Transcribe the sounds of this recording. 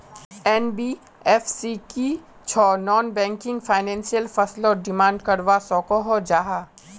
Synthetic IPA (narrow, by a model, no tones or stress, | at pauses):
ɛːnbiː | ɛfsiki | t͡ʃʰɔːnɔːnbɛ̃ːŋkɪ̃ŋɡfaːɪnɛ̃ːnsijəlfɐslɔːɾɖɪmãːɳɖkɐɾʋasɔ̃ːkoɦod͡ʒaːɦaː